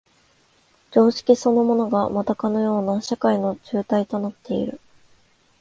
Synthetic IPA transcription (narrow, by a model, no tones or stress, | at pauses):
d͡ʑo̞ːɕi̥kʲiso̞no̞mo̞no̞ɡamat̪akano̞jo̞ːnaɕakaino̞d͡ʑɨːt̪ait̪o̞nat̪ːe̞ḭɾɯ̟̰